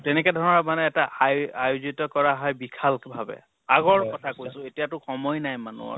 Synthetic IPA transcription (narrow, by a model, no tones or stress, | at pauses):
tɛnɛk̬ɛdʱɔɹnɔmanɛːtaajajuzitɔkɔɹaɦɔjbikʰalbʱabɛ̰ | aɡɔɹkɔtʰakojsʊ̃etijatʊxɔmɔjnajmanṵɔ̰